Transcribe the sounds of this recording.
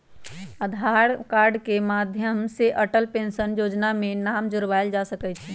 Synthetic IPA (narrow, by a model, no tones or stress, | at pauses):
əd̪ʱaɾkaːɾɖkemaːd̪ʱjəmseʔəʈəlpẽːnʃənjoːd͡ʒnamẽnaːmd͡ʒʊɾʋaɪld͡ʒasəkɛt͡ʃʰi